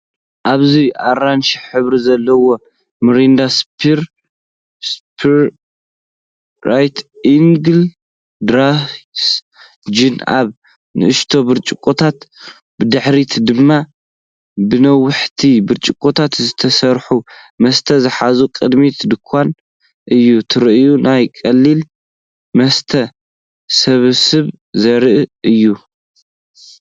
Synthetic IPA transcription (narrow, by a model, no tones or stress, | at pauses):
ʔaβziʔaɾanʃɪħħɨβɾizɐlːɐwo̞ | mɨɾind̪aspʰiɾ | spʰiɾ | ɾajt̪ʔiŋɡɨl | d̪ɾas | d͡ʒina̰β | nɨ̰ʔɨʃt̪ʰo̞bɨɾt͡ʃʼɪkʼːot̪ʰat̪ | bɨd̪ɨħɾit̪ʰd̪ɨmːa | bɨnɐwːʊħt̪ʰibɨɾt͡ʃʼɨkʼːot̪ʰat̪zɨt̪ʰɐsɐɾħu | mɐst̪ʰɐzɨħazukʼɨd̪mit̪ʰd̪ɨkʷʰːan | ʔɨjːut̪ʰɨɾʔjunajkʼɐlːil | mɐst̪ʰɐ | sɐβɨsɨβ | zɐɾɨʔɨɨjːu